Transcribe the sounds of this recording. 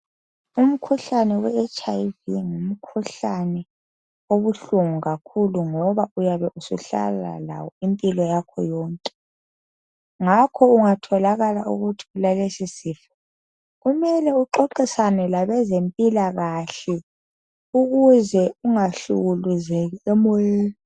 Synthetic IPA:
um̩kʰuɬanɛwɛɛt͡ʃʼajviŋum̩kʰuɬanɛ | oβuɬuŋuɣakʰuluŋɔβaujaβɛʔusṵɬa̰la̰la̰wɔimpʼilɔjakʰɔjɔːŋkʼɛ | ŋakʰɔuŋatʰɔlaɣalaṵɣutʰiulalesisifɛ̥ | ɣumɛlɛuǃoǃisanɛlaβɛzempʼilaɣaɬɛ | uɣuzɛuŋaɬṵɣuluzɛɣɛɛmɔeː

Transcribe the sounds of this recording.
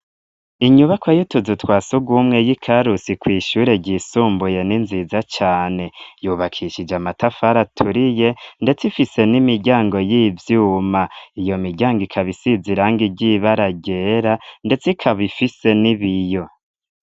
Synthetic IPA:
iɲuβakwajutuzutwaːsuɡwumŋe̞jikʰaɾusikwiːʃuːɾe̞ɟiːsuːmbuje̞ninziːzat͡ʃaːne̞juːβakʰiʃid͡ʒamatafaɾatʰuɾije̞nde̞t͡sifise̞nimiɾɟaːŋɡo̞jivjuːmaijo̞miɾɟaːŋɡikʰaβisiziɾaːŋɡiɟiβaɾaɟe̞ɾande̞t͡sikʰaβifise̞niβijo̞

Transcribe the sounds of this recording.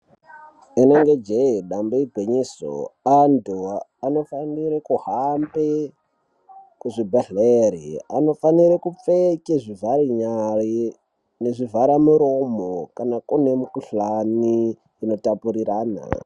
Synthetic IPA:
ineŋɡed͡ʒeiɗamboibʱeɲeso̰anduano̞faniɾekuhambe | kuʐibʱaɮeɾḭa̰no̞faniɾekup͡fekeʐivaɾiɲari | neʐivaɾamuɾo̞mokanakune̞mukuɬani | ino̞tapuɾiɾaːna̰

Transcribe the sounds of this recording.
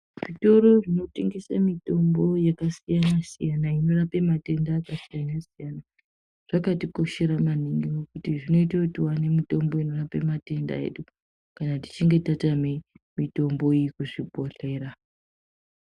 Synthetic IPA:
ʐito̞ɾo̞ʐino̞teŋɡesamito̞mbo̞jakasijanasijanaino̞rape̞mate̞ndaːkasijanasijana | ʐ̥akatiko̞ʃe̞ɾamaniŋɡiwokutiʐino̞itakutiwane̞mito̞mbo̞ino̞rape̞mate̞nda̰e̞̰ɗu | kanati̥t͡ʃiŋɡe̞tatamemito̞mbo̞ijikuʐipo̞ɬe̞ːɾa

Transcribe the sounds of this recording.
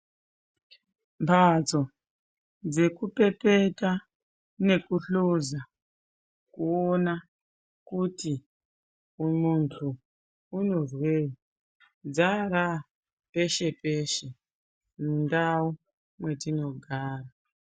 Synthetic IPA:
mpʰad͡zo̞ | d͡ze̞kupe̞peta | ne̞kuɬoza | kuona | kuti | muntʰuː | no̞rwe | d͡zaɾa | pe̞ʃe̞pe̞ːʃe̞ | mundawo | mwe̞tino̞ɡʱaːra

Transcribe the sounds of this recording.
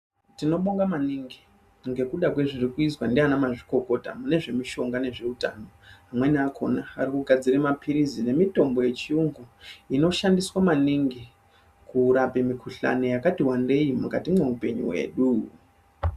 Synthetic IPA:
tino̞ɓo̞ŋɡamaniŋɡi | ŋɡe̞kuɗak̬we̞ʐirikuiswandeanamaʐiko̞ko̞ta̰mune̞ʐe̞miʃo̞ŋɡane̞ʐe̞uta̰ːno̞ɦamwe̞niakʰo̞̰naːrikuɡʱad͡ziremapʰiɾizine̞mito̞mbo̞je̞t͡ʃiuŋɡuino̞ʃandiswamaniŋɡi | kuɾape̞mikuɬa̰no̞jakatiwande̞jimukatimweupe̞̰ɲṵwe̞̰ːɗu

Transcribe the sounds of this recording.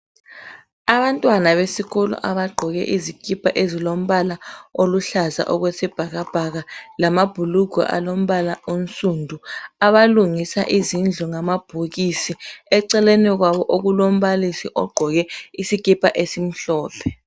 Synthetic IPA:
aβantʼwanaβesiɣɔlɔ̰ʔaβaɡ͡ǃʱɔɣɛ̰ʔizikʼipʰʼaʔezilom̩βalaoluɬaza̰ʔɔɣwesib̥ʱaɣab̥ʱaɣalamab̥ʱuluɡ̥ʱɔ̰ʔa̰lom̩βalaonsʼundʱuaβaluŋisa̰ʔizind͡ɮʱɔŋamab̥ʱuɣisiɛǀɛleniɣwaβɔʔoɣulom̩ɓalisiʔɔɡ͡ǃʱɔɣɛisikʼipʰʼaʔesim̩ɬɔːpʰɛ

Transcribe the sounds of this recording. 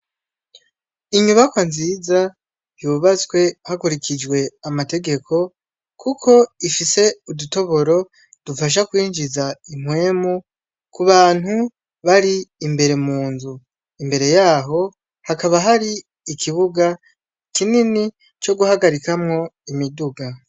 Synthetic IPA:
iɲuβakwanziza | juβat͡swe̞hakuɾikʰid͡ʒwe̞amate̞ɡe̞kʰo̞ | kʰukʰo̞ifise̞uduto̞βo̞ɾo̞ | d̥ufaʃ̬akwiːɲʒizaim̥we̞ːmu | kuβaːn̥hu | βaɾiːmbe̞ɾe̞muːnzu | imbe̞ɾe̞jaːɦo̞ | hakaβaɦaɾiː | kʰiβuɡa | kinini | t͡ʃo̞ɡuhaɡaɾikamŋo̞imiduɡa

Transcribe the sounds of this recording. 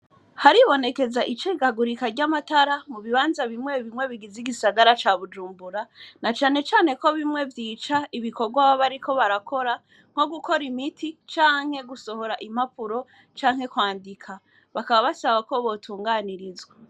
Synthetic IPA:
haɾiβo̞ne̞ke̞zaʔit͡ʃeɡaɡuɾikaɾɟamataɾamuβiβaːnzaβimŋe̞βimŋe̞βiɡiziɡisaɡaɾat͡ʃaːβud͡ʒuːmbuɾanat͡ʃaːne̞t͡ʃaːne̞ko̞βimŋe̞vjiːt͡ʃaiβikoɡwaβoβaɾikʰo̞βaɾakʰo̞ɾa | ŋ̥ho̞ɡuko̞ɾimitʰit͡ʃaːŋ̥he̞ɡuso̞ho̞ɾaʔim̥apuɾo̞ | t͡ʃaːŋ̥he̞kwaːndikʰa | βakaβaβasaβako̞βo̞tʰuːŋɡaniɾizwe

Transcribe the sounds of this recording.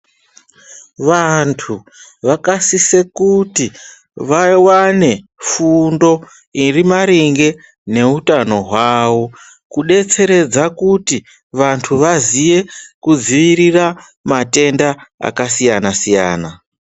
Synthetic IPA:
ʋantʰu | ʋakasise̞kuti | ʋaiwane̞ | fundo̞ | irimaɾiŋɡe̞ | ne̞utano̞ɦwaːwo̞ | kuɗe̞t͡se̞ɾe̞d͡zakuti | ʋantʰuʋazije̞kud͡ziʋirira | mate̞ndaa̰kasijanasija̰ːna

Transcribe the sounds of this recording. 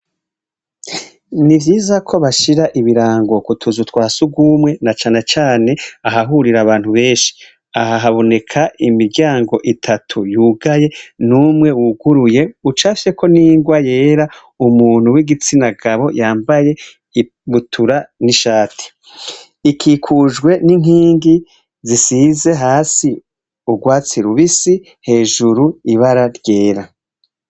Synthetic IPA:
nivɟiːzakʰo̞βaʃiɾaʔiβiɾaːŋɡo̞kutʰuzutwaːsuɡuːmŋe̞nat͡ʃaːne̞t͡ʃaːne̞aɦaɦuɾiɾaβaːn̥huβe̞ːnʃi̥ | aɦaɦaβo̞ne̞kʰaʔimiɾɡɟaːŋɡo̞ʔitʰatʰujuːɡaje̞numŋe̞wuɡuɾuje̞ut͡ʃaːfiʃeko̞niːŋɡwaje̞ːɾa | umuːn̥uwiɡit͡sinaɡaβo̞jaːmbaje̞ | βutʰuɾaniʃaːtʰi̥ | ikʰiːkʰuːʒɡwe̞nin̥ɦiːŋɡi | zisiːze̞ɦaːsi | uɡwaːt͡siɾuβisi | he̞ːʒuɾuiβaɾaɾɟe̞ːɾa

